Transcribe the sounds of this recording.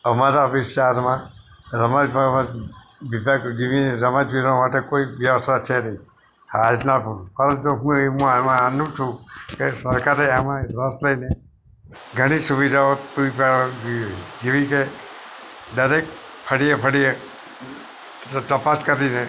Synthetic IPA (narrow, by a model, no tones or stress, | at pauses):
əmaɾaʋɪst̪aɾmã | ɾəmad͡ʒbamã | ʋibʱaɡd͡ʒiʋinɾəmad͡ʒʋiɾõmaʈekoiʋjəʋəst̪at͡ʃʰenəĩ | ad͡ʒnapʰəɾət̪oɦũeɦũamãnũt͡ʃʰũkesəɾkaɾeamãɾəsləine | ɡʱəɽ̃isuʋid̪ʱaot̪uipə | d͡ʒiʋike | ɖəɾek̚ʈpʰəɽijepʰəɽie | t̪əpaskəɾine